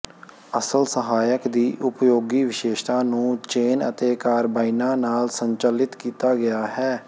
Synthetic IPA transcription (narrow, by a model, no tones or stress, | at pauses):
əsəlsəɦaːjəkd̪iːʔʊpjoːɡiːʋɪʃeːʃt̪ãːnũːt͡ʃeːnə̰t̪eːkaːɾbaːinãːnaːlsəɲt͡ʃəlɪt̪kiːt̪aːɡɪjaːhɛː